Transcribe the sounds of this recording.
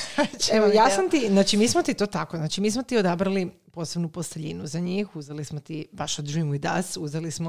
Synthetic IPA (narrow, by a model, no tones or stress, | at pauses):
eʋojasamt̪iznaːt͡ʃimiːsmot̪it̪o̞ːt̪akoznaːt͡ʃimiːsmot̪iod̪abɾali | po̞ːse̞bnupo̞st̪eʎinuzaɲiːxuzelismot̪ibaʃod̪ɾimuid̪a̰suzelismo